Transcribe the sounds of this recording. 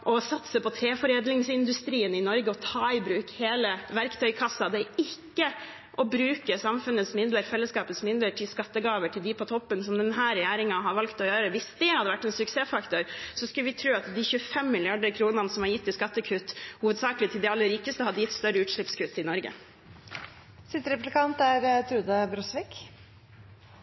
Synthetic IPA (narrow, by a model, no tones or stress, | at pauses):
ʔɔsɑt̪səpɔt̪ʰɾeːfɔɾeːd̪lɪŋsɪnd̪ʉst̪ɾiːənɪnɔɾɡəɔt̪ʰɑːɪbɾʉːkheːləʋæɾkt̪ʰœʏkʰɑsɑd̪ɛɪkːə | ʔɔbɾʉːkəsɑmfʉnət̪smɪnd̪ləɾfɛlːəskɑːpət̪smɪnd̪ləʈʰɪlskɑt̪ːəɡɑːʋəʈʰɪld̪ɪpʰɔt̪ʰɔpːənsɔmd̪ɛnɦæːɾɛjæːɾɪŋɑɦɑɾʋɑlkt̪ɔjøːɾəʋɪsd̪ɛhɑd̪əʋæʈːɛnsʉkseːfɑkt̪ʊɾsɔskʉləʋɪt̪ʰɾʉːɑt̪d̪ɪçʉfɛmːɪlɪɑɖəɾkʰɾuːnənəsɔmhɑɾjɪt̪ːɪskɑt̪ːəkʰʉt̪ːhuːʋəd̪sɑːkəlɪt̪ʰɪld̪ɪɑlːəɾiːkəst̪əhɑd̪əjɪt̪ːst̪œɾəʉːt̪ʂɭɪpskʰʉt̪ːɪnɔɾɡə̰ | sɪt̪ɾɛplɪkʰɑnt̪æɾt̪ʰɾʉːd̪əbɾɔsʋɪk